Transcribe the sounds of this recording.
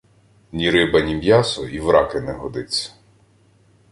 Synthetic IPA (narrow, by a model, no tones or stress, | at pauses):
nʲiɾɪbɐnʲimʲjɑsɔiwɾɑkɪnɛɦɔd̪ɪt͡sʲːɐ̥